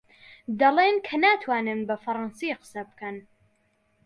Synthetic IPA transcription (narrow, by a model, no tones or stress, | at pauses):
d̪ɐlˠeːnkʰɐnaːt̪ʰwaːnɨnbɐfɐɾˤɑnsiqɨ̥sɐb̚kɐn